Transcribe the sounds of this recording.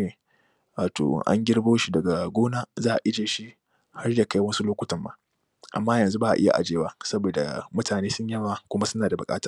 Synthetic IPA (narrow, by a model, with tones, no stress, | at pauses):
e˨ | waː˨to̰˨ʔa̰˦ŋɡʲɪ˦ɽboː˦ʃi˦dɐ˨ɡa˨ɡʷoː˦naː˦zaː˦ʔa̰˨ʔɪ˦d͡ʒeː˨ʃi˦ | ha˦rja˨ka˦jwɐ˦nsu˦loː˦kʷʊ˦tɐ˨mba̰ː˦ | ʔa̰˨mːaː˦jɐ˨nzu˦baː˦ʔa̰˨ʔɪ˦ja̰˨ʔa̰˨d͡ʒeː˦waː˦sɐ˦boː˨da̰˨mʊ˦tʰaː˨neː˦sʊ˦ɲjɐ˦ma˨kʷʊ˦ma˦sʊ˦naː˨da˨bʊ˨kʼaː˦taː˦